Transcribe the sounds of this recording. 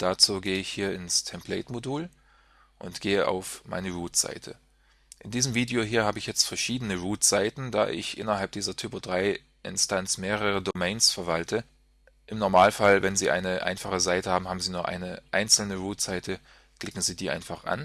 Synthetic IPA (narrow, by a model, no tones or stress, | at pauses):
d̥at͡suːɡeːəɪçhiːɐɪnstʰɛmplɛ̰ɪtmoduːl | ʔʊntɡ̥eːəʔa̰ʊfmʔa̰ɪnəʁuːtz̥a̰ɪtʰə̰ | ʔɪndiːzəmviːdeoɦiːɐhaːbəɪçjɛt͡stfɛɐʃiːdənəʁuːtz̥aɪtn̩da̰ːʔɪ̰çʔɪ̰nɐɦalp̚d̥iːzɐtʰyːpodʁaɪ | ʔɪ̰nstʰant͡smeːʁ̞əʁədomɛɪnsfɛɐvaltʰə | ʔɪmnɔɐmaːlfalvɛnziːʔa̰ɪnəʔa̰ɪnfaχəzaɪtəhaːbm̩haːbm̩ziːnuːɐʔa̰ɪnəʔaɪnt͡sl̩nəʁuːtz̥aɪtʰə | kl̥ɪkŋ̩ziːdiːʔa̰ɪnfaχʔa̰n